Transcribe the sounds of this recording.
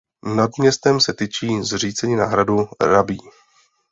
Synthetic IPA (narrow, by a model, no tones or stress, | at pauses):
nadmɲɛst̪ɛmsɛt̪it͡ʃiːzr̝iːt͡sɛɲiːna̰ːɦɾaduɾabiː